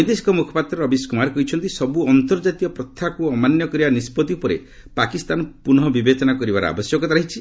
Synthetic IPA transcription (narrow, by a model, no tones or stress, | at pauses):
jd̪esi̥kɔmukʰɔ̥pat̪ɾɔɾɔbiskumaɾkɔɦit͡ʃʰɔnt̪isɔbuɔnt̪ɔɾd͡ʒat̪iɔpɾɔt̪ʰːakuɔmanjɔkɔɾibanispɔt̪iupɔɾḛ | pakist̪anpunɔbibet͡ʃɔnakɔɾibaɾɔ̰a̰bɔsjɔkɔt̪aɾaɦit͡ʃʰi